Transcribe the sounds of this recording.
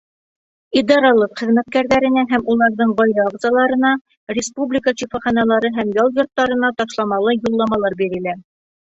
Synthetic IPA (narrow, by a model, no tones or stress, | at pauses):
id̪ɑɾɑlˠɤqχɘ̆ðmæt̪̚kæɾðæɾɘ̆næɦæmulˠɑɾðɤɴbɑjɾɑɑʁzɑlˠɑɾɤ̆nɑ | ɾʲɪspublʲikəʃifɑχɑnɑlˠɑɾɤɦæmjɑlˠjŏɾt̪ːɑɾɤ̆nɑt̪ɑʃlˠɑmɑlˠɤjulˠːɑmɑlˠɑɾbiɾɘ̆læ